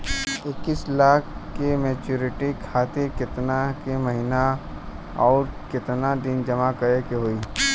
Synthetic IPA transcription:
ɪkːislaːkʰkːemeːt͡ʃuːɾɪʈikʰaːt̪ikɪt̪nakemɐɦɪna | ɔːɾkɪt̪nad̪ɪnd͡ʒɐmakəɾekeɦoːiː

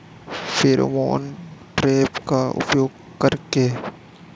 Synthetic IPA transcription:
fʰeɾo̰mo̰ːnʈɾeːpkaʊ̰pjoːɡ̚ | kɐɾke

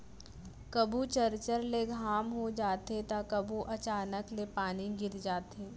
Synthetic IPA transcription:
kɐbʱut͡ʃəɾt͡ʃəɾleɡʱaːmɦod͡ʒaːt̪ɦet̪akɐbʱuʔɐt͡ʃaːnəklepaːniɡɪɾd͡ʒaːt̪eː

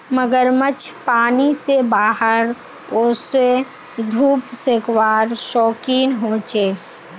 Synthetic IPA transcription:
məɡəɾmət͡ʃʰpaːnisebaːɦəɾ | oːse | d̪ʱuːpsekwaːɾʃɔːkiːnɦoːt͡ʃeː

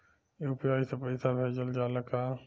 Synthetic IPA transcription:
jiupjaːisepɐɪsabʱeːd͡ʒəld͡ʒaːlɐkaː

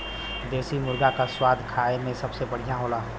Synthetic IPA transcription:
d̪eːsimʊɾɡakaswaːd̪ʱkʰaːemẽsɐbsebɐɽ̤ijaɦoːlaːɦ

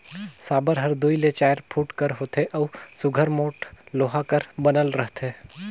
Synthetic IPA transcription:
saːbəɾɦɐɾd̪uilet͡ʃaːjəɾpʰuːʈkɐɾɦoːt̪eʔɔːsʊɡʱəɾmoːʈloːɦakəɾbɐnəlɾɐɦt̪ʰeː

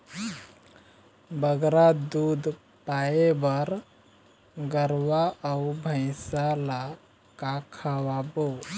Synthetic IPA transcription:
bəɡɾad̪ud̪ʱ | pajebəɾ | ɡəɾʋaəubʱə̃ɪsala | kakʰawabo

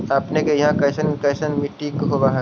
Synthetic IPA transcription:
aːpnekejɐɦãkɐɪsənkɐːsənmiʈːiːkɦoʋaɦã

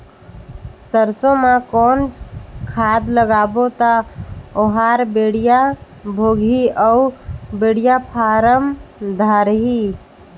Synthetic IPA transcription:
səɾsõmãkonkʰad̪ləɡabot̪ɔoɦaɾbeɽija | bʱoɡʱiəubeɽijapʰaɾəmd̪ʱaɾɦi

